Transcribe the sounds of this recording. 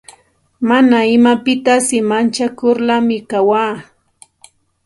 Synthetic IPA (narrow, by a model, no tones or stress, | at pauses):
manaɪmapɪt̪asɪmant͡ʃakʊɾlamɪkawaː